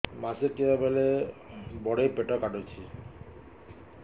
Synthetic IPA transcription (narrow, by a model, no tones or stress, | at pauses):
maseɾkiɾabele | bɔɽepeʈɔkaʈot͡ɕʰi